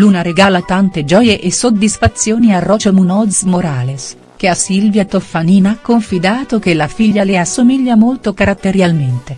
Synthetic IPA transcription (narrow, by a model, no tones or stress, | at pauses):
lunaɾeɡaːlat̪ant̪ed͡ʒɔːjeʔesod̪ːisfat̪sːjoːniarɔt͡ʃomunɔd̪zmoɾaːles | k̟easilvjat̪ofːaniːnakːoɱfid̪aːt̪ok̟elafiʎːaleasːomiʎːamolt̪okaɾat̪ːeɾjalment̪e